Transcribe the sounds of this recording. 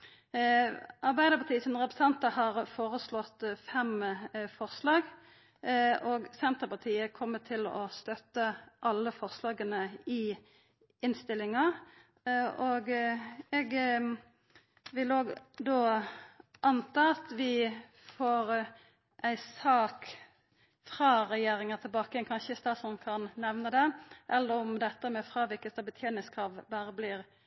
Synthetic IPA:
ɑʁbæɪd̪əpʰɑt̪iːsɔnʁɛpɾɛsɛnt̪ɑhɑːʁfoːʁəslɔt̪fɛmfɔʁslɑːɡ | ʔɔːɡsɛnt̪əpɑʁt̪ʰiːəkʰɔmːətt̪ʰɪlɔ̰st̪œt̪ːəʔɑlːəfɔʁslɑːɡənəɪ | ɪnst̪ɪlɪŋɑ | ɔɡɛɡ | ʋɪloːɡd̪oː | ʔɑnt̪ɑːɑt̪ʋɪ | foːɾ | ʔæɪsɑːk | fʁɑːʁɛjeːɾɪŋət̪ʰɪlbɑːkəənkʰɑnçəɪst̪ɑːsɔmkʰɑnnɛʋnəd̪ɛʔɛlːəʁɔmd̪ɛt̪ːəmɛfʁɑːʋɪlkəst̪ɑbɪt̪ʰjeːnɪskʰʁɑːʋbɑːʁəblɪːɾ

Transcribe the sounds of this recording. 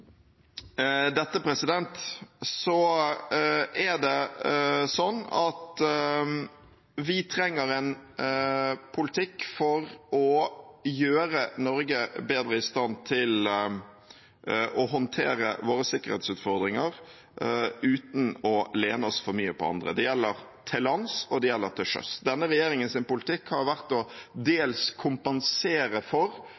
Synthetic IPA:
d̪ɛt̪ːəpɾɛsɪd̪ɛnt̪sɔ | æd̪ɛ | sɔnːɑt̪ | ʋɪt̪ʰɾɛŋːəɾɛn | pʰʊlɪt̪ʰɪkːfɔɾɔjøːɾənɔɾɡəbeːd̪ɾəɪst̪ɑnt̪ʰɪl | ʔɔɦɔnt̪ʰḛːɾəʋoːɾəsɪkːəʁɾhḛːt̪sʉːt̪fɔɾd̪ɾɪŋəɾ | ʉːt̪n̩ɔleːnəɔsfɔɾmyːəpʰɔ̰ɑ̰nd̪ɾə̰d̪ɛjɛlːəɾ | t̪ʰɛlɑnsɔd̪ɛjɛlːəɾt̪ʰɪʂœ̰sd̪ɛnːəɾɛjeːɾɪŋənsɪnpʊlɪt̪ʰɪkhɑɾʋæɾt̪ɔd̪eːlskʰʊmpɛnseːɾəfɔɾ

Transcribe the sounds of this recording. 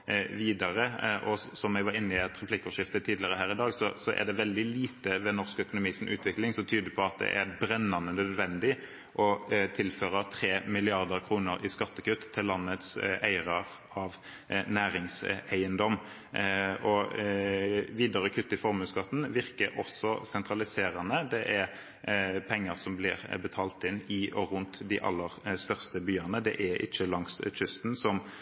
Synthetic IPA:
ʋiːd̪ɑɾəʔɔsɔmɛɡʋɑɾɪnːɪɑt̪ʁɛpʰlɪkːoːʃɪft̪ət̪ʰːiːd̪lɪəʁəɦæːɾɪd̪ɑːɡsɔsɔʔæ̰ʁɖ̪ɛʋɛld̪ɪliːt̪əʋɛnɔʁskœkʊnʊmiːsn̩ʔʉ̰ːt̪ʰʋɪklɪŋsɔmt̪ʰyːd̪əpʰɔɑt̪̚d̪ɛ̰ʔæɾbɾɛnːɑnənœd̪ʋɛnd̪ɪ | ʔɔt̪ʰɪlføːʁɑt̪ʰʁeːmɪlɪɑʁd̪əʁkʰʁuːnəɾɪskɑt̪ːəkʉt̪ʰːɪlːɑnːət̪sæɪʁɑʁ | ɑʋ | næːɾɪŋsæɪənd̪ɔm | ʔɔ | ʋiːd̪ɑʁəkʰʉt̪ːɪfɔʁmʉːskɑt̪ːn̩ʋɪʁkəɾʔɔsɔsɛnt̪ʁɑlɪseːʁɑnəd̪ɛʔæɾ | pʰɛŋːəʁsɔmblɪʁbət̪ʰɑːlt̪ɪnːɪʔɔʁʉnt̪d̪ɪʔɑ̰lːəʁst̪œʁst̪əbyːɑnəd̪ɛ̰ʔæʔɪ̰t͡ʃːəlɑŋst͡ʃʏst̪nsɔm

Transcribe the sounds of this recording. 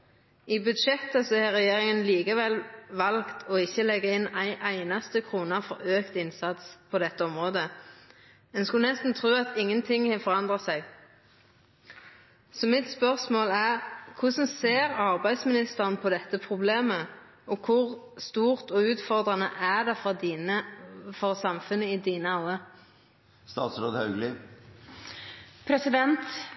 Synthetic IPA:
ɪbʉd̪ʃɛt̪ːəsɔhɛʁɛjeːʁɪŋənliːkəʋɛlʋɑlkt̪ʰɔɪçːəlɛɡːəɪnːæɪʔæɪnɑst̪əkʰʁuːnɑfɔɾøːkt̪ɪnsɑt̪spʰɔd̪ɛt̪ːəɔmʁoːd̪ə | ɛnskʉlnɛst̪n̩t̪ʰʁʉːɑt̪ɪŋːənt̪ʰɪŋːhɛfɔʁɑnd̪ʁɑsæɡ | sɔmɪt̪spœʁsmoːlæʁkʰʊsɔmseːʁɑʁbæɪd̪smɪnɪst̪əʁənpʰɔd̪ɛt̪ːəpʰʁʊbleːmə | ʔɔkʰʊʁ | st̪uːʁt̪ɔʉːt̪fɔʁd̪ʁɑnəʔæd̪ɛ | fɔʁsɑmfʉnəɪd̪iːnəɑʊə | st̪ɑːt̪sɾoːd̪hɑʉɡlɪ | pʰɾɛsɪd̪ɛnt̪

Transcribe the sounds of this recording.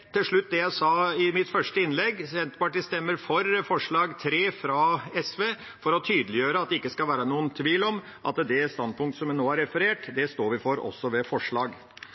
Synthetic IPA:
t̪ʰɪlʂɭʉt̪ːd̪ɛjæɪsɑːɪmɪt̪fœʂʈəɪnlɛɡsɛnt̪pɑʈist̪ɛmːəɾfɔɾfɔʂɭɑːɡt̪ʰɾeːfɾɑɛsʋeː | fɔɾɔt̪ʰyːd̪əlɪjøːɾəɑt̪̚d̪ɛɪkːəskɑlʋæːɾənuːənt̪ʰʋiːlɔm | ʔɑ̰t̪d̪ɛst̪ɑnd̪̚pʰʊŋkt̪sɔmjɛnoːæɾɛfəɾeːʈd̪ɛst̪oːɾʋɪfoɾɔ̰sːɔʋɛfɔʂɭɑːɡ

